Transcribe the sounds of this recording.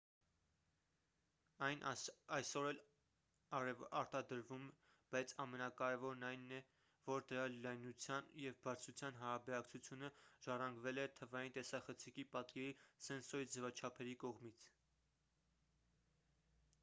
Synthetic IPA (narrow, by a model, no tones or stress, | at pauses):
ɑjnʔɑjsɔɾɛl | ɑɾt̪ɑd̪əɾvum | b̥ɑjt͡sʰɑmɛnɑkɑɾɛvɔɾnɑjnːɛ | vɔɾd̪əɾɑlɑjnut͡sʰjɑnjɛvbɑɾt͡sʰut͡sʰjɑnɦɑɾɑbɛɾɑkt͡sʰut͡sʰjunəʒ̥ɑrɑŋɡvɛlɛt̪ʰəvɑjint̪ɛsɑχət͡sʰikipɑt̪kɛɾisɛnsɔid͡zɛvɑt͡ʃʰɑpʰɛɾikɔʁmit͡sʰ